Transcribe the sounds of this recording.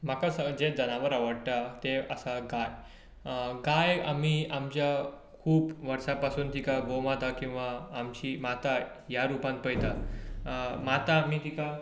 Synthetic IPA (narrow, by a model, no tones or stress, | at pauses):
m̤akasəd͡ʑed̪ʱənaʋəɾaʋəɽʈ̪at̪eəsaɡaj | ɡaja̰m̤iːamt͡ɕja | kʰuːpʋəɾsapasuːnt̪ikaɡomat̪akĩw̃ʋaːmt͡ɕiːmat̪a | jaɾupãn̚pəjt̪a | mat̪amiːt̪ika